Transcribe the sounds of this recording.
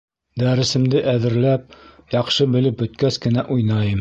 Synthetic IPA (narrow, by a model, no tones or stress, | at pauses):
d̪æɾɘ̆sɘ̆md̪ɘʔæðɘ̆ɾlæp̚jɑqʃɤbɘ̆lɘp̚bɵ̆t̪̚kæskɘ̆næʔujnɑjɤm